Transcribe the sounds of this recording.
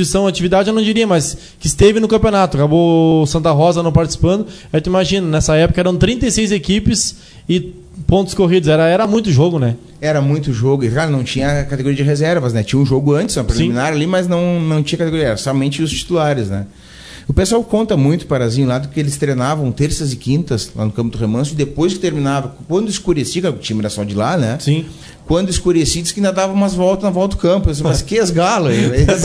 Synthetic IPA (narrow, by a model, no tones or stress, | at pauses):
isɐ̃w̃at͡ʃivid̪ad͡ʒɪnɐ̃w̃d͡ʒiɾiɐmas | kɪɪst̪evɪnʊkɐ̃mpionat̪ʊakabosɐ̃nt̪ɐɦɔzɐnɐ̃w̃paɾt͡ʃɪ̥si̥pɐ̃nd̪ʊ | ɛt̪ʊ̃imaʒĩnɐnɛsɐɛpʊkɐɛɾɐ̃w̃t̪ɾĩnt̪ejsejzekipɪs | ɪ | põnt̪ʊskoɦid̪ʊzɛɾɐɛɾɐmũj̃t̪ʊʒoɡʊnɛ | ɛɾɐmũj̃t̪ʊʒoɡʊɪklaɾnɐ̃w̃t͡ʃĩɲɐkat̪eɡoɾiɐd͡ʒɪɦezɛɾvɐsnɛt͡ʃĩɲɐũʒoɡʊɐ̃nt͡ʃ̪ɪ̥szɐpɾelsĩmĩnaɾalimɐznɐ̃w̃nɐ̃w̃t͡ʃĩɲɐkat̪eɡoɾiɐɛɾɐsɔmẽnt͡ʃɪʊst͡ʃi̥t̪ulaɾɪznɛ̰ | ʊpesʊawkõnt̪ɐmũj̃t̪ʊ̥paɾazĩʊlad̪ʊkɪelɪst̪ɾenavɐ̃w̃t̪eɾsɐzɪkĩnt̪ɐsla̰nʊkɐ̃mpʊd̪ʊhemɐ̃sʊɪd̪epojskɪ̥t̪eɾminavɐkwɐ̃nd̪ʊɪskoɾesiɐkaɾʊkɪt͡ʃĩɲɐmɛɾɐsɔd͡ʒɪlanɛsĩ | kwɐ̃nd̪ʊɪskoɾesid̪ʊskɪĩnd̪ɐd̪avɐ̃w̃mazvɔlt̪ɐnɐvɔlˠt̪ɐd̪ʊkɐ̃mpʊes̬mɐskɪezɡalʊi